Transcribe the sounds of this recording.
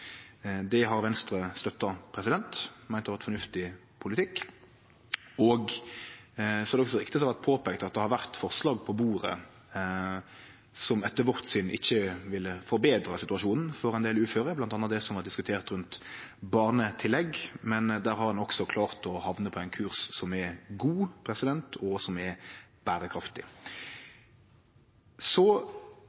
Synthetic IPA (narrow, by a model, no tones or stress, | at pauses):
d̪ɛɦɑɾʋɛnst̪ɾəst̪œt̪ːɑpʰɾɛsɪd̪ɛnt̪mæɪnɑʋæʁt̪fɔʁnʉft̪ɪ | pʰʊlɪt̪ʰɪkː | ɔɡ | sɔhɑɾd̪ɛɔksɔʁɪkt̪ɪəs̬ɛʋæʁt̪̚pʰoːpɛːkt̪ɑt̪̚d̪ɛhɑɾʋæʁt̪fɔʁslɑːɡpʰɔbuːɾə̰ | sɔmɛt̪ːəɾʋɔʁt̪synʔɪ̰çːəʋɪlːəfɔɾbeːd̪ɾɑsɪt̪ʉɑʂuːnn̩fɔɾɛnd̪eːlʉːføːɾəblɑnt̪ɑnəɑd̪ɛsɔmhɑɾd̪ɪskʉt̪ʰeːʁt̪ɾʉnt̪bɑːʁnət̪ʰɪlːɛɡmɛnd̪æːɾhɑɾɑnɔksɔkʰlɑːʁt̪ɔhɑʋnəpʰɔæɪnkʰʉːʁssɔmɛɡuːpʰɾɛsɪd̪ɛnt̪ʰɔsɔmɛb̥æːɾəkʰɾɑft̪ɪ | sɔ